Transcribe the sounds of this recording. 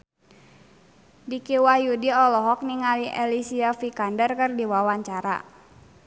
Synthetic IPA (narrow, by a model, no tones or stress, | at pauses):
dikiwajudiɔlɔɦɔk̚niŋaliʔɛlisiafikandərkɨrdiwawaɲt͡ʃaɾa̰